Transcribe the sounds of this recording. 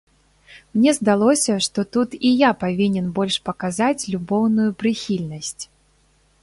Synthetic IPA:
mnʲɛzd̪alˠɔsʲɐʂt̪ɔt̪ut̪ijapavʲinʲɛnbɔlʲʂpɐkazat͡sʲlʲubɔwnujupɾɨxʲilʲnɐsʲt͡sʲ

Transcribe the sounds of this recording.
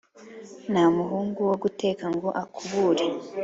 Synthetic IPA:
namuɦuːŋɡuwo̞ɡute̞ːkaŋɡoʔakʰuβuːɾe

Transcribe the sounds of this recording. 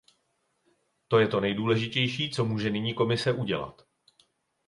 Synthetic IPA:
t̪o̞jɛt̪o̞nɛjduːlɛʒɪcɛjʃiːt͡so̞muːʒɛnɪɲiːko̞mɪsɛʔuɟɛ̰la̰t̪

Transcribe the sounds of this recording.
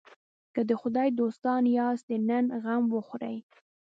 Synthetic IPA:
kəd̪əxʊd̪ɑjd̪ost̪ɑnjɑsd̪ənənɣamwəxʊɾə̰j

